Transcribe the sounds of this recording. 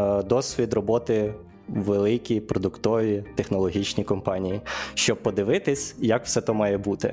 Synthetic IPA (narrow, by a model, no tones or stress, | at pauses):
d̪ɔsʲʋʲid̪rɔbɔt̪ɪ | ʋelˠɪkʲipɾɔd̪ʊkt̪ɔʋʲit̪exnɔlˠɔɦʲit͡ʃnʲikɔmpɑnʲijiʃt͡ʃɔb̚pːɔd̪ɪʋɪt̪ɪsʲjɐkw̥sɛt̪ɔmɑjɛbut̪ɪ̰